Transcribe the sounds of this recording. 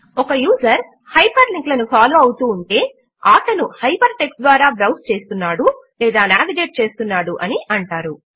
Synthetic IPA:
ɔkɐjuːzɐɾ | hɐjpɐɾliŋklɐnupʰaːloːɐwut̪uːɳʈe̞ː | aːʈɐnuhɐjpɐɾʈe̞ksd̪ʋaːɾaːbɾɐwst͡ʃe̞ːst̪unːaːɽulɛːd̪aːnaːʋiɖe̞ːʈ̚t͡ʃe̞ːst̪unːaːɽuʔɐniʔɐɳʈaːɾu

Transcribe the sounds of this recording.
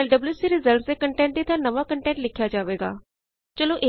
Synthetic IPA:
ɛlɖəbljuːsiːɾɪzəlʈseːkəɳʈɛ̃ːɳʈ̚d̪iːt̪ãːnəʋaːkəɳʈɛ̃ːɳʈlɪkʰjaːd͡ʒaːʋeːɡa̰ː | t͡ʃəlõːʔe

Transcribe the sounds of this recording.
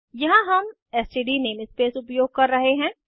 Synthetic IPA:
jɐɦãɦɐm | ɛsiɖineːmɪspeːsʊpjoːɡ̚kɐɾːɐɦeɦɛ̃ː

